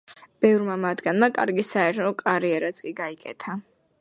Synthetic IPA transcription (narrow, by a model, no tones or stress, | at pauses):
b̥ɛvɾmamad̪ɡanmakʼaɾɡisaɛɾt̪ʰɔkʼaɾiɛɾat̪skʼiɡaikʼɛ̰t̪ʰa